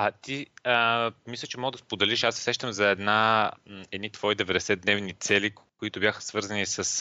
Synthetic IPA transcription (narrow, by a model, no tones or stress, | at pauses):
at̪iəmislʲət͡ʃɛmɔɡəd̪ɐspod̪ɛliʃasːɛ̥sɛʃt̪əmzɐɛd̪na | ɛd̪nit̪vɔid̪ɛvɛd̪ɛsɛd̪nɛvnit̪sɛlikoit̪ʊbjaxə̥svɤɾzɐnisəs